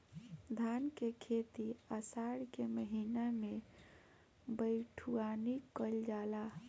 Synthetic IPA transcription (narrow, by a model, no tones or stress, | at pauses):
d̪ʱankekʰet̪iəsaɽkeməɦiname | bəɪʈʰuanikəld͡ʒala